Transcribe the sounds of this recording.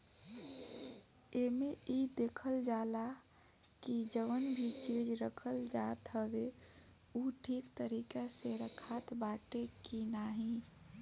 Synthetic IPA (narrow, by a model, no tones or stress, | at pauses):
emeid̪eːkʰəld͡ʒaːla | kid͡ʒəʋənbʱit͡ʃid͡ʒɾəkʰəld͡ʒat̪ɦəbe | uʈʰiːkt̪əɾikaseɾəkʰat̪baʈekinaɦĩ